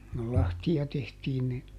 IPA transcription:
kul lɑhtiɑ tehtiːn ni

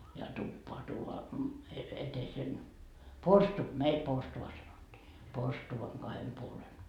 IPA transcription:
jɑ tupːoɑ tuːʋoɑ et etesen porstu meil porstuʋɑ sɑnotːiː porstuʋɑŋ ɡ̊ɑhem puolen

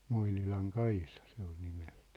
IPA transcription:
moinilɑŋ kɑisɑ se ol nimel̥tæ̥ː

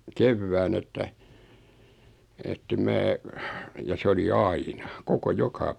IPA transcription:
keʋːæːn etːæ etːem mæː jɑ se oli ɑinɑ koko jokɑ

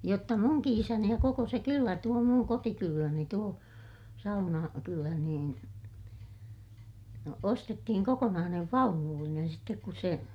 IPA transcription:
jotːɑ muŋki isæni jɑ koko se kylːæ tuo muŋ kotikylːæni tuo sɑunɑ kylæ niːn no ostetːihiŋ kokonɑːneʋ ʋɑunulːinen sitːek kus se

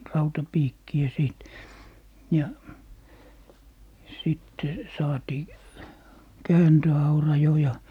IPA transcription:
rɑutɑpiːkːiæ siˑt jɑ sitːe sɑːtiː kæːntøɑurɑ jo jɑ

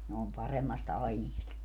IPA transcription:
ne om pɑremːɑst ɑiniest

